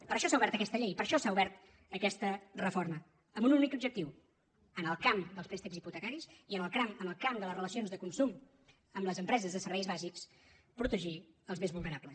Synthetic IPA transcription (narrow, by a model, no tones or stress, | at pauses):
pəɾəʃɔsauβɛɾt̪əkɛst̪əʎejpəɾʃɔsauβɛɾt̪ | əkɛst̪ərəformə | əmbununikubʒək̚t̪iw | ənəlˠkamd̪əlˠspɾɛst̪ikziput̪əkaɾisiənəlˠkɾamənəlˠkamd̪ələsrələsionzðəkunsum | əmləzəmpɾɛzəzðəsəɾβɛjzβaziks | pɾut̪əʒi | əlˠzmezβulˠnəɾaplə